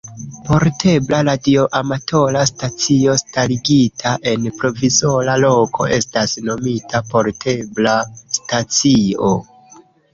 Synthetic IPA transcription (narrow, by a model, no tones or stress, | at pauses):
po̞ɾtʰe̞blaladioʔamato̞lastat͡sio̞staliɡitʰaʔe̞npɾo̞vizo̞lalo̞kʰo̞̰ʔe̞stasno̞mitʰapo̞ɾtʰe̞blastat͡sio